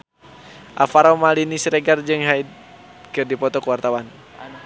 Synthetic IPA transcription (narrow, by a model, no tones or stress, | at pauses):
ʔa̰faɾamalinisɾɛɡard͡ʒɨŋɦaid | kɨrdipɔt̪ɔkuwart̪awan